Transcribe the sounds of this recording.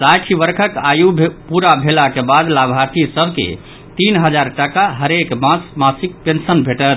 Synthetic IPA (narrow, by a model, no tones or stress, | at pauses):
saʈʰibəɾkʰəkajupuɾabʱelakebad̪labʱaɾt̪isəbʱkḛ | t̪inɦəd͡ʒaɾʈakaɦəɾekmasmasik̚pensənbʱeʈəɾ